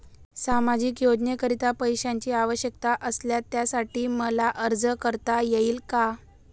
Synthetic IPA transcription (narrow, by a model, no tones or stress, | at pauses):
samad͡ʑiːkjod͡ʑnekəɾit̪apəjɕaɲt͡ɕiːaʋəɕjək̚t̪aʔəsljat̪jasaʈiːməlaʔəɾd͡zəkəɾt̪ajeiːlka